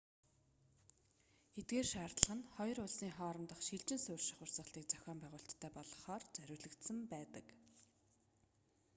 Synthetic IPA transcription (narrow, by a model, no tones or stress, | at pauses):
et̪ɡeːrʃaːrt̪ɮə̆χə̆nχɔjɞ̆rʊɮsiːŋχɔːɾɞ̆mt̪ə̆χʃiɮt͡ɕɪ̆nsʊːrʃɪ̥̆χʊrsə̆χɬt̪iːk̚t͡sœ̥xʲɔːmpæʁʊːɬt̪ʰːœːpɔɮɞ̆χɔːrt͡sœɾʲʊːɮɘ̆kt̪sə̆mpæːt̪ə̰̆k